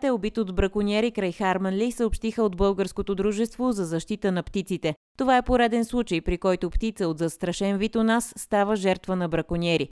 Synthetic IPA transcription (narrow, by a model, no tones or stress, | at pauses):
t̪ɛobit̪od̪bɾɐkonʲɛɾikɾajxaɾmənlʲisəopʃt̪ixəod̪bɤlˠɡəɾskot̪od̪ɾuʒɛst̪vozɐzɐʃt̪it̪ənɐpt̪it̪sit̪ɛ | t̪ovaɛpoɾɛd̪ɛnslˠut͡ʃəjpɾikɔjt̪ʊpt̪it̪səot̪zɐst̪ɾɐʃɛnvit̪onasːt̪avəʒɛɾt̪vənɐbɾɐkonʲɛɾi